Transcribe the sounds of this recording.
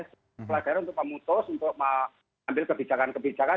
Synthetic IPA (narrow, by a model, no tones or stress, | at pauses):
s | pəlaɡ̥aɾanunt̪ʊk̚məmut̪ʊsunt̪ʊk̚ma | ambɪlkəb̥id͡ʒakankəb̥id͡ʒaka